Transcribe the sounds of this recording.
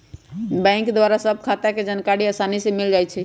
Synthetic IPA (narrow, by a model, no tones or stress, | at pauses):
bɛ̃ŋkd̪waɾasəb̚ʱkʰat̪aked͡ʒənkaɾiasanisemild͡ʒajt͡ʃʰɛ